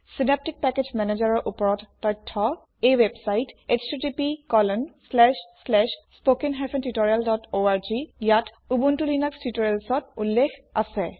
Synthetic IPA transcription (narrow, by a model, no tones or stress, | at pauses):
sinep̚tik̚pɛked͡ʒmɛned͡ʑaɹɔɹʔupɔɹɔtːɔjtʰːɔ | ewebsajtekstitipikɔlɔnslɛʃslɛʃspokinɦɛpʰentitɔɹialdɔtoaɹd͡ʒijat | ubuntulinakstitɔɹelsɔtulːexʰa̰sɛ